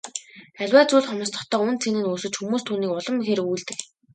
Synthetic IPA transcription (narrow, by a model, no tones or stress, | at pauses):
æɮʲwaːt͡suːɮχɔmə̆st̪ʰɔ̥̆χt̪œːunt͡sʰenɘ̆nuːsɘ̆t͡ɕxumuːst̪ʰuːniːkʊɮɞ̆mxeɾɘ̆kujɮt̪ɘ̆k